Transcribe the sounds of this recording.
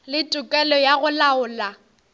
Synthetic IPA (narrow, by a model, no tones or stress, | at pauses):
lɪtʼʊkʼɛlɔjaɣʊlaʊːla